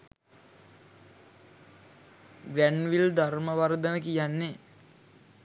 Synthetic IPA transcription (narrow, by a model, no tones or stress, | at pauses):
ɡɾænʋild̪arməʋaɾd̪ənəkijanːe